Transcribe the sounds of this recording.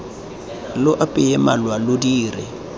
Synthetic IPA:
lʊʔapʼɪɛmalwalodiːrɪ

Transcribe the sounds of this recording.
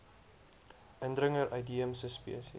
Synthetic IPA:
ʔəndɾəŋəɾʔɐjdiəmsəspḭəsi

